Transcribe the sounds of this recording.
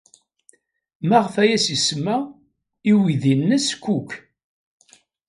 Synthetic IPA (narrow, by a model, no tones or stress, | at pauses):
mæʁfæjæsismːæ | iwiðinːəskːukː